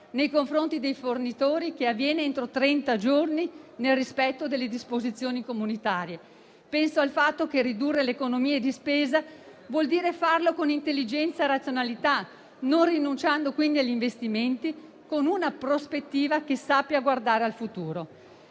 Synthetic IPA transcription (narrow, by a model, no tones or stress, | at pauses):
nejkoɱfɾont̪id̪ejfornit̪oːɾikeavːjɛːneent̪ɾot̪ɾɛnt̪ad͡ʒorninelrispɛt̪ːod̪elːed̪ispozit̪sːjoːnikomunit̪aːɾje | pɛnsoalfat̪ːokerid̪urːelekonomiːed̪ispeːzavwɔld̪iːɾefarlokonint̪elːid͡ʒɛnt̪saeɾat̪sjonalit̪a | nonrinunt͡ʃand̪okwind̪iaʎːiɱvest̪iment̪i | konunapɾospet̪ːiːvakesapːjaɡward̪aːɾealfut̪uːɾo